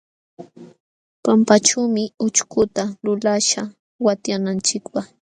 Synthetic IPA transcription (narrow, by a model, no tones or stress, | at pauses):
pampaʈ͡ʂumɪʊt͡ʃkʊt̪alʊlaʃa | wat̪janant͡ʃɪkpaχ